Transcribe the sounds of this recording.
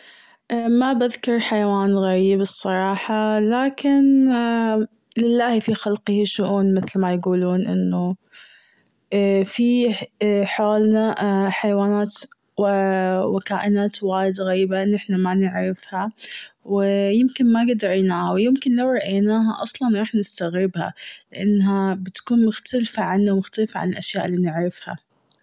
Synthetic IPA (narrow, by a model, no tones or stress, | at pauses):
ʔmabaðkʊɾˤħajawaːnɣaɾiːbɨsˤːɑɾˤɑːħɑlaːkɪn | lɪlːaːhfixalqɨhiʃʊʔuːnmɪθlmajɡuːluːnʔɪ̰nːu | fi | ħaːlnaħajwaːnaːt̪ | wɪwɪkaːʔɪnaːt̪waːjɪd̪ɣajːbaʔɪnːɪħnamanɪʕɾɪfhawɪjɪmkɪnmaɡad̪ɾajnaːhawjɪmkɪnlawɾˤɑʔajnaːɦa̰ʔɑsˤlɑnɾˤɑːħnɪst̪aɣɾɪbha̰lɪʔanːɦabɪt̪ḁkuːnmʊxt̪alfaʕanːawmʊxt̪alfaʕa̰nɪlʔaʃjaːʔɪlːiːnɪʕɾˤɪfha̰